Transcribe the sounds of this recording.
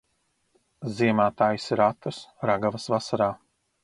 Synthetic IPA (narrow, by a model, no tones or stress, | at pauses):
ziɛmaːt̪aːjsiɾat̪usɾaɡavɐsvasaɾaː